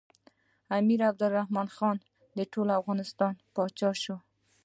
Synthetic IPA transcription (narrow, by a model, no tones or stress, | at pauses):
amiɾab̚d̪ʊlːahmɑnxɑn | d̪əʈolafɣɑnɪst̪ɑnpɑt͡ʃɑʃo